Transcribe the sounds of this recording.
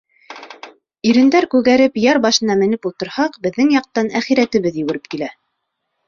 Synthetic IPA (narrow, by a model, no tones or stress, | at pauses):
iɾɘ̆nd̪æɾkʉɣæɾɘpjɑɾbɑʃɤ̆nɑmɘ̆nɘpulˠt̪ɤ̆ɾhɑqbɘ̆ðːɘŋjɑq̚t̪ɑnæχiɾæt̪ɘ̆βɘðjɘ̆wɘ̆ɾɘp̚kilæ